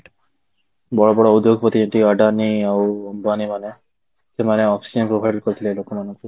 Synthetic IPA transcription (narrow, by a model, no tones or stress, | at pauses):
bɔɽɔbɔɽɔud̪joɡpɔt̪id͡ʒɔ̃nt̪iaɖaniawɔmbanimane | semaneɔpʰsid͡ʒempɾobʱajɖlkɔɾit̪ʰilelokɔmanɔ̃ŋku